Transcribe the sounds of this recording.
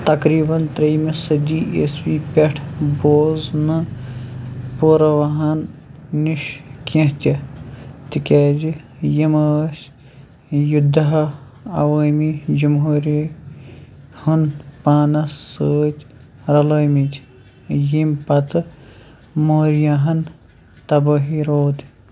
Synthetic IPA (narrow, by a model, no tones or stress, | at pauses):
t̪ɐkɾiːbɐnt̪ɾɐjmisɐd̪iːʔḛswiːpʲeʈʰboːznɨ | poːɾɐʋɐɦɐnːiʃkẽɦt̪ʲɐ | t̪ikʲeːd͡ʒi | jiməːs | jud̪ʱːɐɦɐ | ɐ̰ʋəmid͡ʒumɦuɾi | hunpaːnɐssəːt̪ʲɾɐloːjmit̪ʲ | jimpɐt̪ɨ | moːɾjaɦɐn | t̪ɐbəɦiɾoːd̪